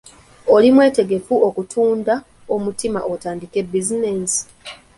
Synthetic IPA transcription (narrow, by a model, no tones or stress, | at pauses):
olimwe̞ːte̞ɡe̞fuokutʰuːnda | o̞mutimaʔotaːndike̞bːizinesi̥